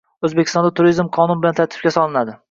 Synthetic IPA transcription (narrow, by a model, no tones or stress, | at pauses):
ɵzbekʲɪ̥st̪ɒnd̪at̪ʰʊɾizmqʰɒnʊnbɪlant̪ʰaɾt̪ʰɪ̥fkʲasɒlˠɪnad̪ɪ